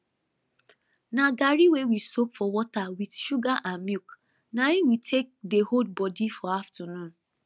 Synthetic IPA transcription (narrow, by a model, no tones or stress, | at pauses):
naɡaɾiwewisopfɔwɔtawidʃuɡaʔãnmjuk | naiwitʰek̚dehod̚bɔdifɔaftɔnũn